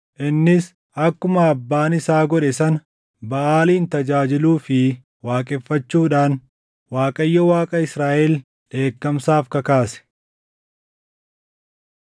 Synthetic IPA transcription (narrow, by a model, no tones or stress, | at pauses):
ʔɪnːɪs | ʔɐkːʊmɐːbːaːnɪsaːɡɔᶑɛsɐnɐ | bɐʔaːliːnt̪ɐd͡ʒaːd͡ʒɪluːfɪ | waːkʼɛfːɐt͡ʃːuːᶑaːn | waːkʼɐjːɔwaːkʼɐɪsɾaːʔɛl | ᶑe̞ːkːɐmsaːfkɐkaːsɛ̥